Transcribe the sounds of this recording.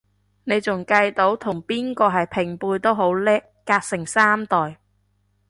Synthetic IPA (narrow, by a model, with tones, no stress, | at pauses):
ne˨˧jt͡sʊ˨˩ŋkɐ˧jt̪o˨˥wt̪ʰʊ˨˩ŋpiː˥nkɔː˧ɦɐ˨jpʰɪ˨˩ŋpuː˧jt̪o˥wɦo˨˥wlɛː˥ | kaː˧k̚sɪ˨˩ŋsaː˥mt̪ɔː˨˩j